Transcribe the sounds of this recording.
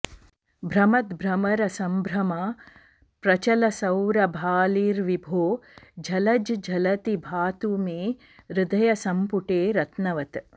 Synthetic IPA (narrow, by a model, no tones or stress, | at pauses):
bʱɾɐmɐt̪bʱɾɐmɐɾɐsɐmbʱɾɐmaː | pɾɐt͡ʃɐlɐsɐwɾɐbʱaːliːɾʋibʱoːd͡ʒʱɐlɐd͡ʒd͡ʒʱɐlɐt̪ibʱaːt̪umeː | ɾɪd̪ɐjɐsɐmpuʈeːɾɐt̪nɐʋɐt̪